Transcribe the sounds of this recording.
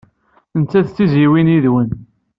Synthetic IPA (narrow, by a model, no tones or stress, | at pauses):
ənt͡sːæðt͡sːiziwiniðwən